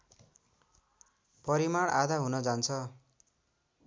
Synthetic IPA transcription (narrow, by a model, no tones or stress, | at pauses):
pʌɾimaɽad̪ʱaɦunʌd͡zant͡sʰʌ